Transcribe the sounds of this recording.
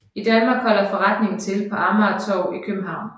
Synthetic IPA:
id̥ænmɑ̈ːɡ̥hɒ̽l̰ɐfɒʁɑd̥ne̝ŋn̩t͡sʰe̝lpʰɒ̽ɑ̈ːmɑt͡sʰɒʊ̰ikʰøb̥m̩ɦɑ̈ʊ̰n

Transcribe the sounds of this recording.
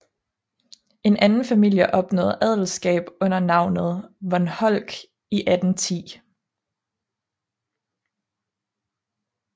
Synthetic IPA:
e̝nʔænn̩fæmil̰jəʔɒ̽b̥nɔ̰ːð̩ˠæð̰ˠl̩sɡ̥ɛ̰ːb̥ɔ̽n̰ɐnɑ̈ʊ̰nəð̞̩ˠʋɒnhɒl̰ɡ̥ | iʔæd̥n̩t͡sʰḭː

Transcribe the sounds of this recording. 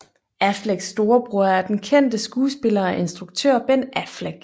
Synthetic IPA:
æfleɡ̥sːd̥o̝ːɐb̥ʁuɐæɐd̥enkʰen̰d̥əsɡ̥uːsb̥e̝lɐæʔe̝nsd̥ʁuɡ̥̚t͡sʰø̰ɐ̰b̥en̰ʔæfleɡ̥

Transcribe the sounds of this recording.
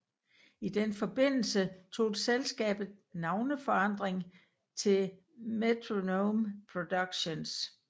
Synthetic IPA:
id̥enfɒ̽b̥e̝n̰l̩sət͡sʰo̝̰ːd̥selsɡ̥ɛ̰ːb̥ð̩ˠnɑ̈ʊnəfɒ̽ɑ̈n̰d̥ʁeŋ | t͡sʰe̝l | met͡sʰʁonompʰʁo̝d̥aɡ̥ɕo̝ns

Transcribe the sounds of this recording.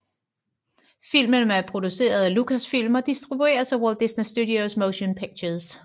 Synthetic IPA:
fil̰mənæɐpʰʁo̝d̥use̝̰ːɐð̩ˠælukʰæsfil̰mɐd̥isd̥ʁib̥ue̝̰ːɐsæwold̥isnisd̥udiosmoʊɕonpʰeɡ̥̚ɕəðˠs

